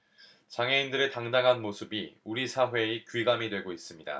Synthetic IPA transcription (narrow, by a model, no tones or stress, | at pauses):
t͡ɕaŋɦe̞indɯɾe̞taŋdaŋɦanmosʰɯbiuɾisʰaɦwe̞ikiɡamidwe̞ɡois͈ɯmɲida̰